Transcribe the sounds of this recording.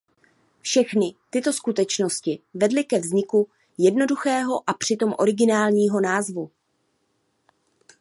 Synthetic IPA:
fʃɛxnɪt̪ɪt̪o̞skut̪ɛt͡ʃno̞scɪvɛdlɪkɛvzɲɪku | jɛdno̞duxɛːɦo̞ʔapr̝̥ɪt̪o̞mʔo̞̰ɾɪɡɪnaːlɲiːɦo̞naːzvu

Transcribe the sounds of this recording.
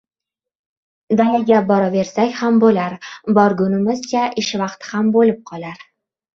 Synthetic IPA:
d̪ajaɡʲabɒɾave̞ɾsakʲhambolaɾbɒɾɡʊnɪmɪzt͡ʃʰaʔɪʃvɑqt̪ʰɪhambolɪp̚qʰɒlaɾ

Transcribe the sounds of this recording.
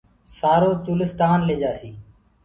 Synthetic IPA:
saːɾoːt͡ʃuːlɪst̪aːnleːd͡ʒaːsiː

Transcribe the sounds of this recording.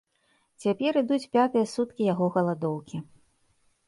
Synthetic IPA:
t͡sʲapʲɛɾɨd̪ut͡sʲpʲat̪ɨjɐsut̪kʲijaɣɔɣɐlˠad̪ɔwkʲi

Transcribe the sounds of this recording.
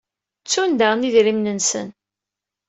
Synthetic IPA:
t͡sːund̪əʁniðɾimnənsə̰n

